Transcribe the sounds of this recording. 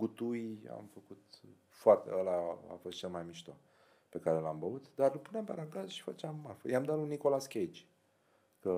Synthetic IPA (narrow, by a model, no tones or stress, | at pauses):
ɡut̪uja̰mfəkut̪ | foart̪ḛəlaa̰fo̞st̪t͡ʃelmajmiʃt̪o | pe̞kaɾe̞lambəut̪d̪arlpuneampeaɾaŋkazəʃi̥fa̰t͡ʃeamːafə̰jamd̪at̪luniko̞laskʲet͡ʃ | kə